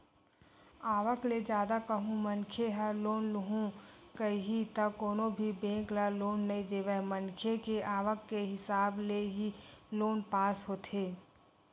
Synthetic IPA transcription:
aːʋəkled͡ʒjaːd̪akəɦũmənkʰeɦəloːnlʊɦũkəiɦit̪ɐkoːnobʱibẽːklaloːnːɐid̪eːʋəmənkʰekeʔaːʋəkːeɦɪsaːbleɦiloːnpaːsɦoːt̪ʰeː

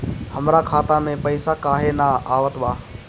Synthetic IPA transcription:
həmɾakʰaːt̪amẽpəɪsakaːɦenaaːʋət̪ʋaː

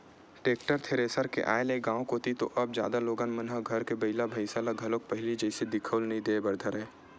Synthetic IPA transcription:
ʈeːkʈəɾt̪ʰeːɾeːsəɾkḛʔa̰ːelẽːɡãːõkoːt̪it̪oʔɐb̚d͡ʒja̰ːd̪aloːɡaːnmɐnɦaɡʱɐɾkebɐɪlabʱɐɪsalaɡʱɐlõk̚pɐɦɪlid͡ʒɛɪsed̪ɪkʰəlnɐɦĩd̪ebɐɾd̪ʱəɾɦɛ̃ː

